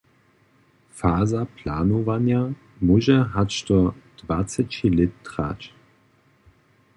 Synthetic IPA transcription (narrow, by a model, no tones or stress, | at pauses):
faːzapʰlaːnovanja | muʒɛɦatɔd̥vat͡sɛt͡ʃilɪtːʁa̰ːt͡ʃ